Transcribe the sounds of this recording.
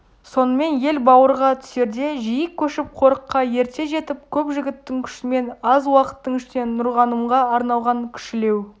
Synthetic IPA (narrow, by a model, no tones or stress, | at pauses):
so̞nəme̞nje̞lbɑwəɾʁɑt̪ʰʏ̥se̞ɾd̪e̞ʒijɪkʲʰːɵʃɪp̚qʰo̞ɾəqːɑje̞ɾt̪e̞ʒe̞t̪ɪp̚kʲʰɵpʒɪɡʲɪt̪ːɪŋkʲʰʏ̥ʃɪme̞nɑzwɑqə̥t̪ːəɴʏʃne̞nːʊɾʁɑnəmʁɑɑɾnɑlˠʁɑŋkʲʰʏ̥ʃɪle̞w